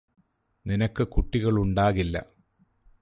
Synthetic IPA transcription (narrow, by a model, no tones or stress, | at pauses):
ninɐkːɨkuʈːiɣɐɭuɳɖaːɣilːɐ̰